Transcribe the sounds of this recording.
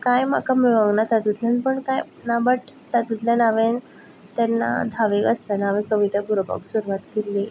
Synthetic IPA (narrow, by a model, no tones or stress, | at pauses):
kajm̤a̰kamiʋaŋɡnat̪at̪ut̪ʰlanpəɳkaj | nabəʈt̪at̪ut̪lanaʋẽn | t̪anːa̰d̪ʱaʋekəst̪anaʋẽkəʋit̪aɡuɾba̰ksuɾuʋat̪kelːi